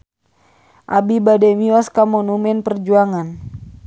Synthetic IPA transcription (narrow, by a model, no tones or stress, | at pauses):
ʔabibadɛmiɔskamɔnumɛnpərd͡ʒuaŋan